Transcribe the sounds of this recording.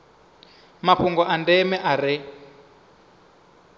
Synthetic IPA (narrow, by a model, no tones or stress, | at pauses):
mapʰuŋɡɔʔandɛmɛʔaɾɛ